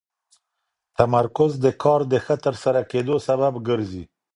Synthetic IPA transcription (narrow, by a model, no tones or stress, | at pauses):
t̪amaɾkʊzd̪əkʰɑɾd̪əxət̪əɾsaɾaked̪osababɡəɾzi